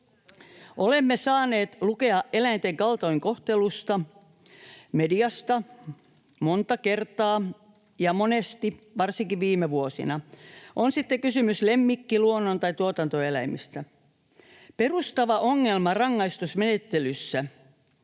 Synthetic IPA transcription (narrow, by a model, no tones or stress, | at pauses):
olemːesɑːneːt̪lukeɑʔelæint̪eŋkɑlt̪oiŋkoht̪elust̪ɑ | mediɑst̪ɑ | mont̪ɑke̞rt̪ɑː | jɑmonest̪iʋɑrsiŋkiʋʋiːmeʋuosḭnɑʔonsit̪ːekysymyslemːikːiluonːont̪ɑjt̪uot̪ɑnt̪oelæimist̪æ | perust̪ɑʋɑʔoŋːelmɑrɑŋːɑist̪usmenet̪ːelysːæ